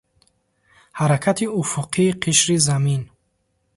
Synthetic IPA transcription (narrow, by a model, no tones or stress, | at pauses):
haɾakʰat̪ʰiufuqʰiːqʰiʃɾizamin